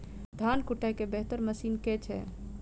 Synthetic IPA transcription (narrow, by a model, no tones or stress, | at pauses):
d̪ʱankuʈajkebeɦt̪əɾməsiːnket͡ʃʰɛ̰